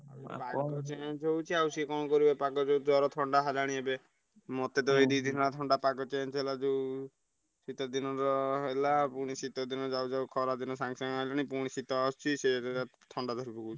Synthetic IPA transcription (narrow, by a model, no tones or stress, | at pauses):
a̰a̰pakɔt͡ʃẽd͡ʒɦewt͡ʃʰiawsikɔñɔkɔɾibepakɔd͡ʒewd͡ʒɔɾɔt̪ʰɔɳɖaɦalaɽ̃iebe | mɔt̪ed̪ɔɾid̪id̪ʱinɔɾat̪ʰɔɳɖapakɔt͡ʃẽd͡ʒɦelad͡ʒe | sit̪ad̪inɔɾɔɦelapuɽ̃isit̪ɔd̪inɔd͡ʒawd͡ʒawkʰɔɾad̪inɔsãŋɡsaŋaelaɽ̃ĩpuɽ̃isit̪ɔɔst͡ʃʰiset̪ʰɔɳɖad̪ʱɔɾibɔut͡ʃʰi